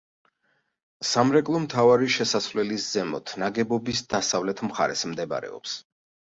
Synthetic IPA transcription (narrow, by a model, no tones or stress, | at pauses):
samɾɛkʼlˠɔmt̪ʰavaɾiʃɛsasvlɛliszɛmɔt̪ʰnaɡɛbɔbisd̪̥asavlɛt̪ʰmχa̰ɾɛsmd̪ɛba̰ɾɛ̰ɔ̰ps